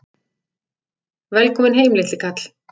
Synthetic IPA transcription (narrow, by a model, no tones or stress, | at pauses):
vɛlkʰɔːmɪnɦeːjmlɪht̪ɪkʰat̪l̥